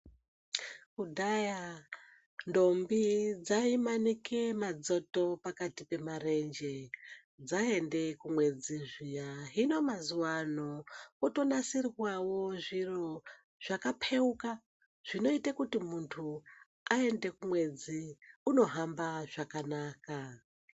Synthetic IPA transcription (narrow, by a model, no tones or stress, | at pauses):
kudʱaja | ndo̞mbid͡zaimanike̞mad͡zo̞to̞pakatipe̞mare̞nd͡ʒe | d͡zae̞nde̞kumwe̞d͡ziʐijaɦino̞mazuwanouto̞nasirwawo̞ʐiro̞ | ʐ̥akapʰe̞uka | ʐ̥ino̞itakutimuntʰu | ae̞nde̞kumwe̞d͡ziuno̞ɦambaʐ̥akanaːka